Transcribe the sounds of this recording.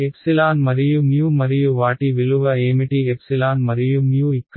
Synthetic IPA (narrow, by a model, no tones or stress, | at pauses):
ɛpsɪlaːnmɐɾɪjumjuːmɐɾɪjuʋaːʈːiʋɪlɯʋɐeːmɪʈiɛpsɪlaːnmɐɾɪjumjuːɪkːɐ